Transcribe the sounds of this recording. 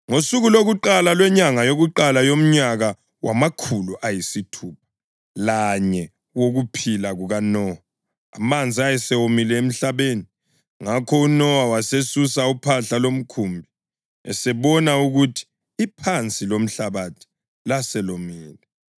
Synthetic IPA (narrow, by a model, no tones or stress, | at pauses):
ŋosuɣuloɣuǃalalwɛɲaŋajoɣuǃalajom̩ɲaɣa | wʔa̰makʰuluʔajisitʰuːp̚ʰḁ | laɲɛ | woɣupʰilaɣuɣanɔwa̰ː | mand͡zʱiajɛsɛwomilɛem̩ɬaβeni | ŋakʰɔunɔwawasesusaupʰaɬalom̩kʰumbʱi | ɛ̰sɛβɔnauɣutʰi̥ː | pʰant͡sʼilom̩ɬaβatʰi̥ | lasɛlomiːlɛ